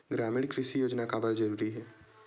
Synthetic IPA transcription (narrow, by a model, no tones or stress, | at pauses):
ɡɾaːmɪɽkɾɪʃijoːd͡ʒnakabəɾd͡ʒɐɾuːɾiɦɛː